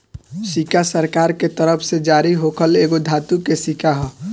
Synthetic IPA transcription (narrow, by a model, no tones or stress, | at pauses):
sikasəɾkaːɾket̪əɾəpʰsed͡ʒaːɾiɦokʰəleːɡod̪ʱaːt̪ukesikaɦɔ